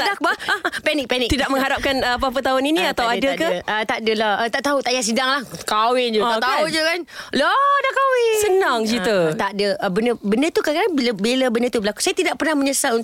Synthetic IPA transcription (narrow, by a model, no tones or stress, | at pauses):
dak̚bapɛnɪk̚pɛnɪkt̪idaʔməŋɦaɾap̚kanəpap̬ət̪aʊniniat̪awadakaət̪adəlahət̪aʔt̪aut̪ajaʔs̬idaŋlahkawɪnd͡ʒuat̪aud͡ʒukanlodakawɪsənaŋd͡ʒit̪ut̪adəəbənəbəndət̪ukakaaŋbilabelabəndət̪ubəlaku̥sajat̪idaʔpərnahməɲəsau